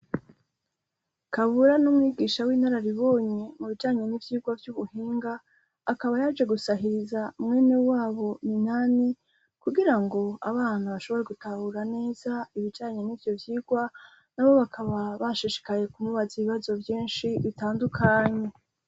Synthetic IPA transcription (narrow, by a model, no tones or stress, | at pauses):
kaβuɾanumŋiːɡiːʃawiːnaɾaɾiβo̞ːɲe̞muβid͡ʒaːɲe̞nivjiːɡwavjuβuhiːŋɡaː | kaβajad͡ʒe̞ɡusaɦiɾizaumŋe̞ːnewaːβo̞minani | kuɡiɾaŋɡo̞a̰βaːn̥huβaʃo̞βo̞ɾe̞ɡutahuɾane̞ːzaiβid͡ʒaːɲe̞nivjo̞vjiːɡwa | naβo̞βakʰaβaβaʃiʃi̥kaje̞kumuβaziβiβazo̞vjiːnʃiβitaːndukʰaːɲe̞